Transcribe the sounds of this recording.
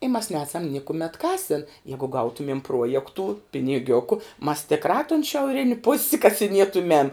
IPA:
ɪ mɐs ˈnʲæːsɐm ˈnʲɪkʊmʲɛt ˈkɑːsʲɪn ˈjæːɡʊ ˈɡɐʊtʊmʲiɛm ˈpruɔjɛktuː pʲɪnʲɪˈɡʲʊkʊ mɐs tʲɪkˈrɑː tʊn ʃʲɛʊˈrʲɪnʲɪ pʊsʲ kɐsʲɪˈnʲiɛtʊmʲɛm

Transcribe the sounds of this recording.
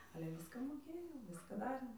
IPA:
ɐlʲɛ ˈʋʲɪskɐ moːˈkʲeːjɛʊ ˈʋʲɪskɐ ˈdɑːrʲeːm

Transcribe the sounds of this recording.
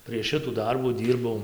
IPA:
pʲrʲiɛʃ ˈʃʲɪtuː ˈdɐrbuː ˈdʲiːrbɐʊ

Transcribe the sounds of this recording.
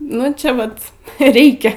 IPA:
ˈnʊ t͡ʃʲɛ ˈʋɐt ˈrʲɛɪkʲɛ

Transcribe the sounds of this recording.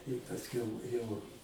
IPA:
ɪ pɐsʲˈkʲɛʊ jɛʊ

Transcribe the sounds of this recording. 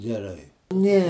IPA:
ɡʲɛˈrɐɪ ˈnʲɛ

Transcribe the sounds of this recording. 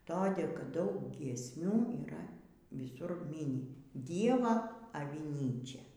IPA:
toːˈdʲeː kɐt ˈdɐʊk ɡʲiɛsʲˈmʲuː iːˈrɐ ʋʲɪˈsʊr ˈmʲiːnʲɪ ˈdʲiɛʋɐ ɐʋʲɪˈnʲiːt͡ʃʲɛ

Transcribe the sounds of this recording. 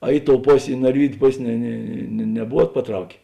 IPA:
ɐ ˈɪ ˌtoːʊ ˈpoːsʲeː ɪ nɐrʲˈʋʲiːdʲʊ ˈpoːsʲ nʲɛ ˈnʲɛ nʲɛ nʲɛˈbʊʋuɔt pɐˈtrɐʊkʲeː

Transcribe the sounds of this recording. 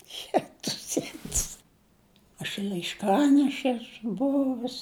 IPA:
ˈjæːtʊs ˈjæːtʊs ɐʃ lˠɐɪʃˈkɑːnʲɛʃʲɛ ˈæːsʊ ˈbʊʋʊs

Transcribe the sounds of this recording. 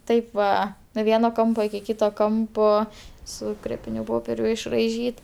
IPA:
ˈtɐɪp ʋɐ nuɔ ˈʋʲiɛnoː ˈkɐmpoː ɪkʲɪ ˈkʲiːtoː ˈkɐmpoː sʊ ˈkrʲeːpʲɪnʲʊ ˈpoːpʲɛrʲʊ ɪʃrɐɪˈʒʲiːt

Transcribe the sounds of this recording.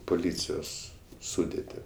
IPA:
pʊˈlʲiːt͡sʲɪjoːs ˈsʊdʲeːtʲɪ

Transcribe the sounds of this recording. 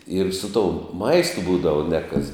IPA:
ɪr sʊ toːʊm ˈmɐɪstʊ ˈbuːdɐʋɐ nʲɛ kɐs

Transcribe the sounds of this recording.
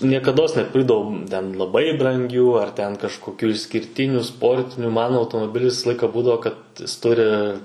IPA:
nʲiɛkɐˈdoːs nʲɛˈpʲɪrɡdɐʋoːm tʲɛn lˠɐˈbɐɪ brɐŋʲˈɡʲuː ɐr tʲɛn kɐʃkoːˈkʲuː ɪʃʲsʲkʲɪrʲˈtʲɪnʲuː ˈspoːrʲtʲɪnʲʊ ˈmɐn ɐʊtoːmoːˈbʲɪlʲɪs ˈʋʲɪsɐ ˈlˠɐɪkɐ ˈbuːdɐʋoː kɐt ˈjɪs ˈtʊrʲɪ

